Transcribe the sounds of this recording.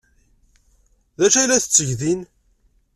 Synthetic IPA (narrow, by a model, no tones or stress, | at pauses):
ðæʃælæθə̥t͡sːəʝðin